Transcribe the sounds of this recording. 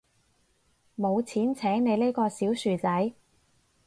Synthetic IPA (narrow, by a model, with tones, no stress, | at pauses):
mo˨˧wt͡sʰiː˨˥nt͡sʰɛː˨˥ŋne˨˧jle˥jkɔː˧siː˨˥wsyː˨˩t͡sɐ˨˥j